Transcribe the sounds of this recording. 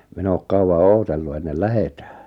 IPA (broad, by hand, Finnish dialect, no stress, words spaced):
min oːk kɑuw̆ɑ oːtelːu enːel læhetæ̥ː